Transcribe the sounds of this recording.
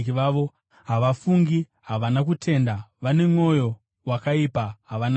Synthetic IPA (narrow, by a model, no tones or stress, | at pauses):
kiʋaːʋo | ɦaʋafuŋɡi | ɦaʋanakutʰe̞ndaʋane̞mŋo̞jo̞ | wakaipaɦaʋana